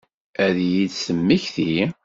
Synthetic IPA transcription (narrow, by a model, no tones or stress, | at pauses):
æðjid̪səmːiçθi